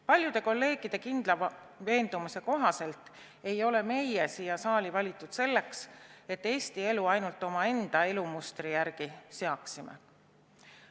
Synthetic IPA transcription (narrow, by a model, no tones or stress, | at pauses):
pɑlʲjud̪̥e̞ko̞lːe̞ːɡ̥id̪̥e̞kind̪̥lɑ | ve̞ːnd̪̥umise̞ko̞ɦɑse̞lt̪ˑ | e̞jo̞le̞me̞jjesiːjɑsɑːlʲivɑlʲit̪ːˑud̪̥se̞lːe̞kse̞t̪ːe̞ːst̪ie̞luɑjnult̪ːˑo̞mɑe̞nd̪̥ɑe̞lumust̪rijærɡ̥ise̞ɑksimḛ